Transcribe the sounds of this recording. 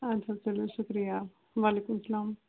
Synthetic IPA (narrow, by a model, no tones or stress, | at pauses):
ɐt͡sʰat͡sɐloɕukɾija | ʋalekumsɐlaːm